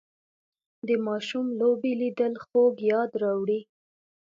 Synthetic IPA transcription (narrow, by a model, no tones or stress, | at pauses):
d̪əmɑʃumlobelid̪əlxoɡjɑd̪ɾɑwɽi